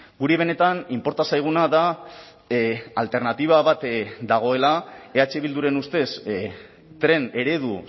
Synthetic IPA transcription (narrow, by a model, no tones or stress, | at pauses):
ɡuɾeβe̞ne̞t̪animpo̞ɾt̪asajɣ̞unaða | alt̪e̞ɾnat̪iβ̞aβat̪d̪aɣ̞o̞elae̞at͡ʃeβild̪uɾe̞nust̪e̞s | t̪ɾe̞ne̞ɾe̞ðu